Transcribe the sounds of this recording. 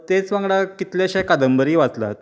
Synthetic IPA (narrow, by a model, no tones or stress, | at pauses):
t̪et͡sʋãŋɡɽakit̪leɕekad̪əmbəɾiːʋat͡s̪la̰t̪